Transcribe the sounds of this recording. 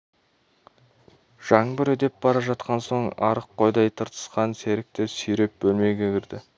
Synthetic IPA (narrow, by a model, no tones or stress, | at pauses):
ʒ̥ɑɴbɪɾɵd̪e̞p̚bɑɾɑʒɑt̪̚qɑnso̞ɴɑ̰ɾəqʰːo̞jd̪ɑjt̪ʰəɾt̪ə̥sqɑnse̞ɾɪk̚t̪ɪsʏjɾe̞p̚bɵlme̞ɡʲeɡʲɪɾd̪ɪ